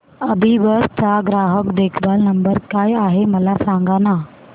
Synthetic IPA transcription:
əbʱiʋəɾt͡saɡɾaɦəkd̪ekʰbalnəmbəɾkajaɦeməlasãŋɡana

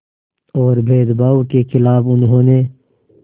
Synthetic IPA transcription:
ɔːɾbʱeːd̪baːuwkexʰɪlaːbʊnɦõːne

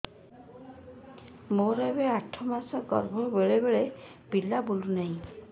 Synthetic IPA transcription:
moɾebeaʈʰːɔmasɔɡɔ̰ɾbʱɔbeɭebeɭe | bilabolunaɦĩ

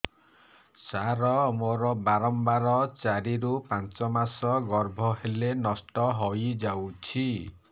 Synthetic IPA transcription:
saɾɔmoɾɔbaɾɔmbaɾɔt͡ʃaɾiɾupant͡ʃɔmasɔɡɔɾbʱɔɦelenɔsʈɔɦojd͡ʒawt͡ʃʰi

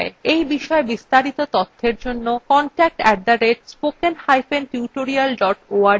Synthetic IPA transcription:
eejbiʃɔebist̪aɾit̪ot̪ɔt̪ʰːeɾd͡ʑonːokɔnʈɛk̚ʈɛd̪aɾeʈ̚spokenhajfʰenʈjuʈoɾialɖɔʈoa

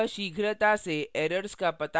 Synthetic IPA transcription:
ʃiːɡʱɾət̪aseʔeːɾəɾskapɐt̪a

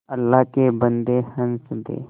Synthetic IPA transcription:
ɐlːaɦkebənd̪ehənsd̪ḛː

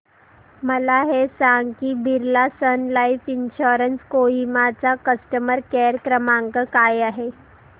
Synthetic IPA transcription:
məlaɦesaŋɡkiːbʱiɾlasənlaifinɕoɾənskoimat͡sakəsʈəməɾkeɾkɾəmaŋkəkajaɦe

